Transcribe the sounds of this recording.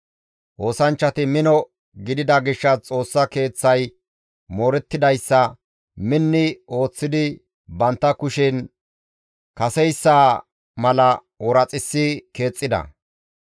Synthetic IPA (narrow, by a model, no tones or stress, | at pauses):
ʔo̞ːsɐnt͡ʃːɐt̪ɪmɪnɔ | ɡɪd̪ɪd̪ɐɡɪʃːɐt͡sʼo̞ːsːɐke̞ːt͡sːɐj | moːɾɛt̪ːɪd̪ɐjsːɐ | mɪnːɪo̞ːt͡sːɪd̪ɪ | bɐnt̪ːɐkʊʃɪn | kɐsɛjsːaː | mɐlɐ | wɔɾɐt͡sʼɪsːɪke̞ːt͡sʼːɪd̪ɐ̰